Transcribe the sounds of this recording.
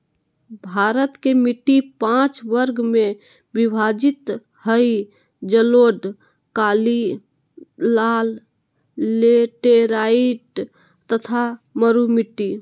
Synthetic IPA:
bʱaɾət̪kemiʈːipãt͡ʃʋəɾɡmẽ | bibʱad͡ʒit̪ | həji | d͡ʒəloɖ | kaːli | aːlː | eʈeɾaiʈ | t̪ət̪ʰaməɾumiʈːi

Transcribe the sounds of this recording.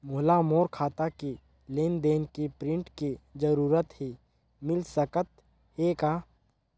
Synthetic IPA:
mʊɦlamoːɾkʰaːt̪aki | leːnd̪eːnkipɾɪ̃ɳʈkid͡ʒəɾuːɾət̪ɦi | mɪlsəkət̪̚ | heːka

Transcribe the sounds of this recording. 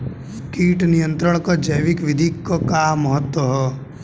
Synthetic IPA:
kiːʈnijə̃nt̪ɾəɽ̃kad͡ʒəjʋɪkʋɪd̪ʱikːokaːmːəɦət̪wəɦɛː

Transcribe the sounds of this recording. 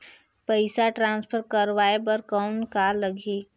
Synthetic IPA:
pəɪsaʈɾãːnspʰəɾkəɾʋaːebəɾkɔnkaləɡi

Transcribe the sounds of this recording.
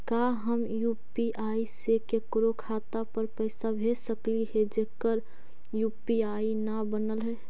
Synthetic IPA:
kaɦəmjupiʔaːisekekɾokʰaːt̪apəɾpəɪsabʱesəkliɦed͡ʒeːkəɾ | jupiainabənəlɦɛ

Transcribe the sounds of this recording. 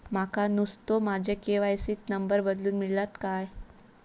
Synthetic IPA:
makanust̪omad͡ʑʱekeʋajsiːt̪nəmbəɾbəd̪luːnmiɭlat̪kaj

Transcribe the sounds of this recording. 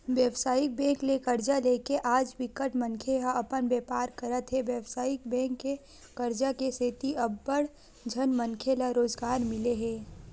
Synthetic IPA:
ʋjəʋsaːjɪk̚bɛ̃ːklekəɾd͡ʒaleːkeʔaːd͡ʒʋɪkəʈmə̃ŋkʰeɦaʔɐpənbeːpaːɾkəɾət̪ɦɛʋjəʋsaːjɪk̚bɛ̃ːkːe | kəɾd͡ʒakeseːt̪iɐbːəɽ | d͡ʒʱənmə̃ŋkʰelaɾoːzɡaːɾmɪleɦɛː

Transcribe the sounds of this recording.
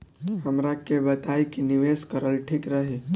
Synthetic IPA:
ɦɐmɾakebɐt̪aːikinɪʋeːskəɾəlʈʰiːkɾɐɦe

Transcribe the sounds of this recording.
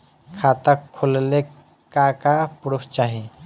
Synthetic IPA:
kʰat̪akʰːulle | kakapuɾʊkʰt͡ʃaːɦi

